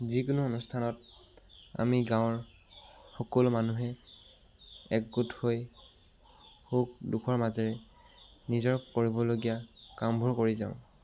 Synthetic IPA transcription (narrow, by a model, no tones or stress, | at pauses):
zikʊnuonustʰanɔt | a̰miɡãw̃ɹ | xɔkɔlmanuɦɛ | ɛk̚ɡuthoj | xukdukʰɔɹmazɔɹɛ | nizɔɹkoɹibɔloɡijakambʱuɹkoɹizaʊ̃